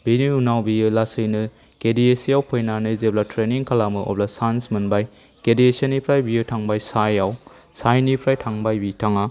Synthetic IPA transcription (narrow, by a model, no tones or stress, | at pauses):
binuunawbiɯlasɯjnɯ | kediesijawpʰojnanɯzeblatʰɾeniŋkʰalamɯʔɔ̰blasansmɐnbaj | kediesenːipʰɾajbiutʰaŋbajsajaw | sajnipʰɾajtʰaŋbajbitʰaŋa